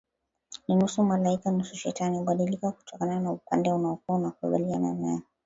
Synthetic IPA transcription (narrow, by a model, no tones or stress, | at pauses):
ninusumalaikanusuʃɛ̰taniuɓaɗilikaku̥tʰɔkananaupandɛunaɔkuanakukuɓaliana̰na